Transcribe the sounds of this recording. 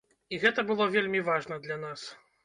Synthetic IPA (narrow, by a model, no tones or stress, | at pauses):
iɣɛt̪ɐbɨlˠɔvʲelʲmʲivaʐnɐd̪lʲanas